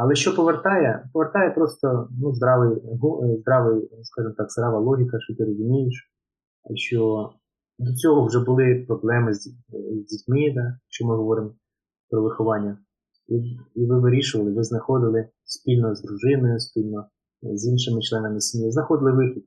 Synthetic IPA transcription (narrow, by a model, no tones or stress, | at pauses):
ɐlˠɛʃt͡ʃɔpɔʋert̪ɑjɛpɔʋert̪ɑjɛpɾɔst̪ɔnuzd̪ɾɑʋɪjɦuzd̪ɾɑʋɪjskɑʒɪmt̪ɑkz̥d̪ɾɑʋɐlˠɔɦʲikɐʃɔt̪ɪɾɔzʊmʲijɪʃ | ʃt͡ʃɔ | d̪ɔt͡sʲɔɦɔwʒɛbʊlˠɪpɾɔblˠɛmɪzzʲdʲitʲmɪd̪ɑʃt͡ʃɔmɪɦɔʋɔɾɪm | pɾɔʋɪxʊʋɑnʲːɐ | iiʋɪʋɪɾʲiʃʊʋɐlˠɪʋɪznɐxɔd̪ɪlˠɪ | sʲpʲilʲnɔzd̪ɾʊʒɪnɔjʊspʲilʲnɔ | zʲinʃɪmɪt͡ʃlˠɛnɐmɪsʲmʲiznɐxɔd̪ɪlˠɪʋɪxʲid̪̚